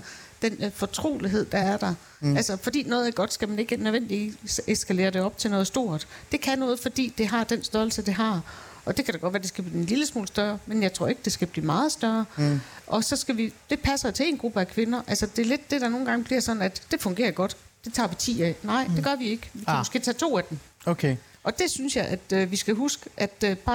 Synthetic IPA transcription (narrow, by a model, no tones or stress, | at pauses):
d̥enfɒt͡sʰʁo̰ːliɦe̝ð̞̰ˠd̥ɑ̈æɐɾ̥ɑ | ælsɐfɒ̽d̥ḭːnɔ̽ːð̩ˠæɐɡ̥ɒ̽d̥sɡ̥æmæne̝ɡ̥ənøðˠʋen̰d̥liḭsesɡ̥æle̝̰ːɐɾ̥e̝ɒ̽b̥t͡sʰe̝nɔ̽ːð̩ˠsd̥o̝ɐ̰d̥d̥e̝kʰænɔ̽ːð̞̩ˠfɒ̽d̥ḭːd̥e̝ɦɑ̈d̥ensd̥œɐl̩səd̥e̝ɦɑ̈ | ʔɒ̽d̥e̝kʰæɾ̥ɑɡɒ̽d̥ʋæːɐde̝sɡ̥æb̥liːenliləsmɔ̰ːləsd̥ɶɐmenjɑ̈ɪt͡sʰʁo̝ɐe̝ɡ̥əd̥e̝sɡ̥æb̥lḭːmɑ̈ːð̞̩ˠsd̥ɶɐʔɒ̽sɒ̽sɡ̥æʋid̥e̝pʰæsɐjot͡sʰe̝e̝̰ːnɡ̥ʁub̥əækʰʋe̝nɐʔælsɐd̥e̝ɐle̝d̥̚ːe̝ɾ̥ɑ̈no̝ːn̩ɡ̥ɑ̈ŋəb̥liɐsɒ̽nn̩æd̥ːe̝fɔ̽ŋɡ̥e̝ːɐɡ̥ɒ̽d̥d̥e̝t͡sʰɑ̰̈ːʋet͡sʰḭːɛnɑ̈ɪ̰d̥e̝ɡ̥ɶɐʋie̝ɡ̥əʋikʰæmɔsɡ̥ḛːt͡sʰɛ̰ːt͡sʰo̝̰ːæd̥em | okʰe | ʔɒ̽d̥e̝synsjɑ̈ɪʔæd̥ʋisɡ̥æɦusɡ̥əʔæd̥b̥ɑ̈